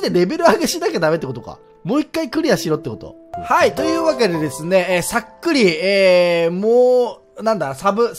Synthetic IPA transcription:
d̪eɾe̞be̞ɾɯ̟aɡeɕid̪ake̞d̪amet̪ːeko̞t̪oka̰ | mo̞ːikːaikɯ̟ɾʲijaɕiɾo̞ːt̪ːeko̞t̪o̞̰ | hait̪o̞jɯ̟ːβak̬e̞d̪e̞d̪e̞sɨne̞sakːɯ̟ɾʲieːmoː | nãnd̪asabɯ̟

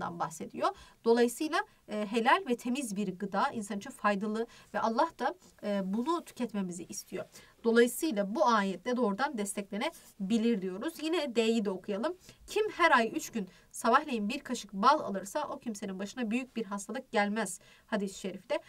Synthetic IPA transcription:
d̪a̰nbahse̞d̪ḭjo̞d̪̥o̞lˠajɯsɯjlˠaː | ɦe̞lʲælʲvɛt̪ʰe̞mizbiɾɡɯd̪aːḭnsant͡ʃʰɯfajd̪alˠɯvɛʔalˠːahd̪̥aː | bunut̪ʰy̥cʰɛt̪me̞miziʔːst̪ʰijo̞d̪̥o̞lˠajɯsɯjlˠabuaːjɛt̪lʲɛd̪o̞ːɾud̪and̪ɛst̪ʰɛclʲe̞nɛ | bilʲiɾd̪ijo̞ɾuzjinɛd̪ejid̪ɛo̞kʰujalˠɯmcʰimhæɾajyt͡ʃɟyn | saβahlʲejinbiɾkʰaʃɯk̚balˠa̰lˠɯɾsaʔo̞cʰimse̞ninbaʃɯnabyjyc̚biɾɦast̪ʰalˠɯk̚ɟælʲmæz̥ | had̪isʃe̞ɾifid̪ɛ

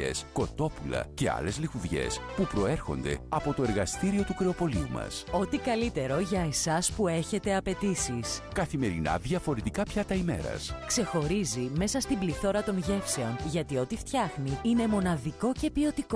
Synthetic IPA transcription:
ḛsko̞t̪o̞pulɐ̰ce̞ɐ̰le̞zlixuðʝe̞̰spupɾo̞e̞ɾxo̞̰nd̪e̞̰ɐpo̞t̪o̞e̞ɾɣɐst̪iɾio̞t̪ukɾeo̞po̞liumɐ̰so̞t̪ikɐlit̪e̞ɾo̞ʝɐesɐspue̞çe̞t̪e̞ɐpe̞t̪isiskɐθime̞ɾinɐ̰ðʝɐfo̞ɾet̪ikɐpçɐt̪ɐime̞̰ɾɐ̰skse̞xo̞ɾizime̞sɐst̪imbliθo̞ɾɐt̪o̞nʝe̞fse̞o̞nʝɐt̪io̞t̪ift̪çɐxniine̞mo̞nɐðiko̞ce̞pio̞t̪iko

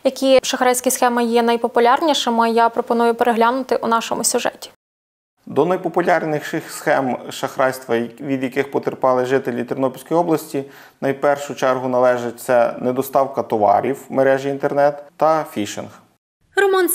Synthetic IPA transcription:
jɐkʲiʃɐxɾɑjsʲkɐsxɛmɐjɛnɐjpɔpʊlʲɑrnʲiʃɪmɪjapɾɔpɔnujʊpeɾeɦlʲanʊt̪ɪʔunɑʃɔmʊsʲʊʒɛ̰tʲi̥ | d̪ɔnɐjpɔpʊlʲɑrnʲɪxʃɪxsxɛmʃɐxɾɑjst̪ʋɐʋʲid̪jɐkɪxpɔt̪eɾpɑlˠɪʒɪt̪elʲit̪ʲɪrnɔpʲilʲsʲkɔjɔblˠɐsʲtʲi | nɐjpɛrʃʊt͡ʃɛrɦʊnɐlˠɛʒɪt̚ʲt̪sɛned̪ɔst̪ɑwkɐt̪ɔʋɑ̰ɾʲiwmeɾɛʒiint̪ernɛt̪ːɐfʲiʃɪ̰nx | ɾɔmɔn

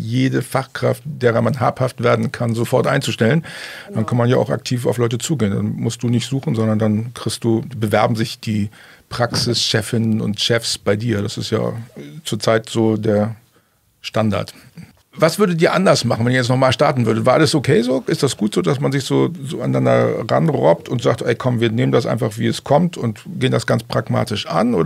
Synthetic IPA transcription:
jeːdəfaχkʁ̥aft̚d̥eːʁ̞ɐmanɦa̰ːphaftv̥eːɐdn̩kʰanzofɔɐtʔa̰ɪnt͡suʃtɛlənd̥ankʰanmanjaːa̰ʊxa̰k̚tʰiːfa̰ʊflɔʏtət͡suːɡeːənda̰nmʊst̚d̥uːnɪçtz̥uːxn̩zɔndɐndankʁ̥ɪçst̚d̥uːbəvɛɐbm̩zɪçd̥iː | pʁ̥aksɪsʃɛfɪnənʊ̰ntʃɛfsb̥aɪdiːɐɾasɪstja̰ːt͡suːɐt͡saɪtz̥oːdeːɐ | ʃtanda̰ɐt | vasv̥ʏɐdətdiːɐʔandɐsmaχn̩vɛniːɐjɛt͡stnɔχmaːlʃtaɐtn̩vʏɐdətvaːʔaləsokʰeːzoːʔɪstd̥asɡ̥uːtz̥oːdasmanzɪçz̥oːzoːaɪnːandɐ̰ʁa̰nʁɔ̰p̚tʊntz̥aːk̚tʔɛɪkʰɔmviːɐneːməndas̬ʔaɪnfaχv̥iːɛskʰɔmtʰʊntɡ̥eːəndasɡ̥ant͡spʁ̥akma̰ːtɪʃʔa̰nʔo̰ː

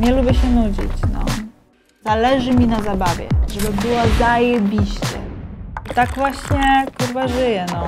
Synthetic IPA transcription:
ɲɛlubʲjɛɕɛnud͡ʑḭt͡ɕnɔ̰ | z̥alɛʐɘmʲinazabavʲjɛ̰ʐɛbɘbɘwazajɛbʲiɕt͡ɕɛ̰it̪aɡvwaɕɲɛkɔɾvaʐɘjɛnɔ

